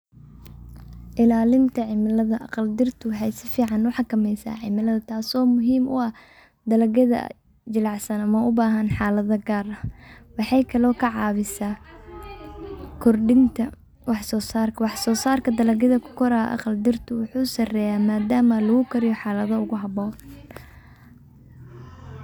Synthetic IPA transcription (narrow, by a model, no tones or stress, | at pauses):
ʔɪlaːlɪnt̪ʰɐʕɪmɪlɐðɐʔɑ̰qɑld̪ɪrt̪ʰʊwħɑjsɪfiːʕɑnʊħɑkʰɐmɛjsa̰ːʕɪmɪlɐðɐt̪ʰaːsɔːmʊɦiːmʊ̰ɐ | d̪ɐlɐɡɐðɐ̰ | d͡ʒɪlɑʕsɐnɐmɐʊbaːɦɐnħɑːlɐðɐɡaːrɐwɑħɑjkʰɐlɔːkʰɐʕɑːβɪsaː | kʰɔrɖɪnt̪ʰɐ | wɑħsɔːsaːrkʰɐwɑħsɔːsaːrkʰɐd̪ɐlɐɡɐðɐkʰʊ̥kʰɔɾɐ̰ːʔɑ̰qɑld̪ɪrt̪ʰʊwʊħuːsɐrɛːjaːmaːd̪aːmɐlɐɣʊkʰɐɾɪjɔħɑːlɐðɐʊɣʊɦɐβɔː